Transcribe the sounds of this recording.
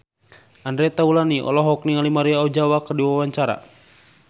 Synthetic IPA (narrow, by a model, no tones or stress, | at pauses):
andɾɛt̪aulaniʔɔ̰lɔɦɔk̚niŋalimaɾiaɔd͡ʒawakərdiwawaɲt͡ʃaɾa̰